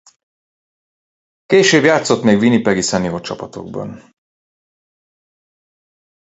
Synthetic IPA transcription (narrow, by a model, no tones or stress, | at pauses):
keːʃøːbjaːt̪so̞t̪meːɡvinipɛɡisɛnijoːt͡ʃɒpɒt̪o̞̰ɡ̚bɒ̰n